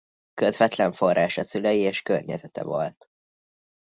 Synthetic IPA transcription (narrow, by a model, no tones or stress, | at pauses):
køzvɛt̪lɛɱfo̞rːaːʃɒsylɛjieːʃkørɲɛzɛt̪ɛ̰vo̰lt̪